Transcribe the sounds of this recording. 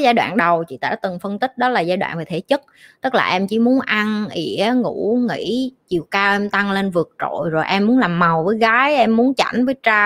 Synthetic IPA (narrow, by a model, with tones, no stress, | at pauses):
zaː˧jɗwa̰ː˧˨nɗə˨˩wt͡ɕḭ˧˨t̪a̰ː˧˩t̪ɨ˨˩ŋfə˧nt̪ï˦˥k̟̚ɗɔ˨˦laː˨˩zaː˧jɗwa̰ː˧˨nveː˨˩t̪ʰe˧˩˦t͡ɕə˦˥t̚t̪ɨ˦˥k̚laː˨˩ʔɛ˧mt͡ɕḭ˧˩mu˨˦ənʔa˧nʔi˧˩˦əŋṵ˧˥ŋḭ˧˥t͡ɕi˨˩əwkaː˧wʔɛ˧mt̪a˧ŋle˧nvɨ˨˩ək̚t͡ɕo̰˧˨jzo˨˩jʔɛ˧mːu˨˦nlaː˨˩mːa˨˩wvəː˨˦jɣaː˨˦jʔɛ˧mːu˨˦ənt͡ɕa̰˧˩jŋ̟vəː˨˦jt͡ɕaː˧